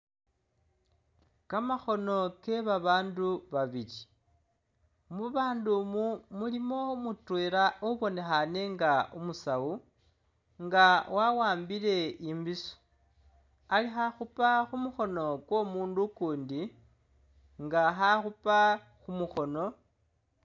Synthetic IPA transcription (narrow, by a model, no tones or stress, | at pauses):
kamaxo̞no̞ke̞βaβaːnduβaβiɾi | muβaːndumumulimo̞mutweːɾaʔoβo̞nexane̞ŋɡaʔumusau | ŋɡawawaːmbile̞imbiso̥ | alixaxupaxumuxo̞no̞kwo̞muːndukuːndi | ŋɡaxaxupa | xumuxo̞no̞